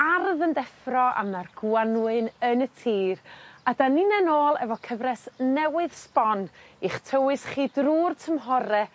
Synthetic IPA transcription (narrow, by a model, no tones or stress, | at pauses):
arðəndɛfrɔʔa̰marɡ̥wanwɨnənətʰiːradaninɛnoːlˠɛ̰vɔkʰəvrɛsnɛwɨð̥spɔniχtʰəwɨsχiːdruːrtʰəmɦɔɾɛ